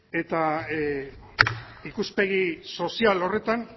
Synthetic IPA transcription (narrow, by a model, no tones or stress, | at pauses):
e̞t̪a | ikuspe̞ɣiso̞sialo̞re̞t̪an